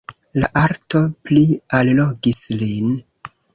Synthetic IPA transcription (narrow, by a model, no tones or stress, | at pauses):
laʔaɾto̞plialloɡislin